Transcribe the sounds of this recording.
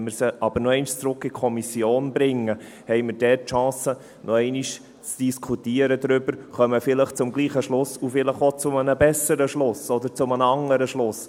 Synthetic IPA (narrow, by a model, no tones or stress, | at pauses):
məɾsəʔɑb̥əɾnɔɛɪnʃt͡sɾʊkːɪkʰɔmisjoːnbɾɪŋə | hɛɪməɾd̥ɛtːʃɑ̃ːsə | nʔɔɛɪniʃ | t͡sd̥iskʰutiːəɾəd̪ɾʏbəɾχœməfɪləχt͡sʊmɡliːχəʃlʊsʊfɪləχot͡sʊmənəbɛsəɾəʃlʊsɔd̪əɾt͡sʊmənəɑŋəɾəʃlʊs